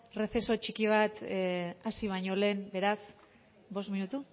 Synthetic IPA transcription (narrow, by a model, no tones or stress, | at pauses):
re̞θe̞so̞t͡ʃikiβ̞at̪asiβ̞aɲo̞le̞ːmbe̞ɾas | bo̞st̪minut̪u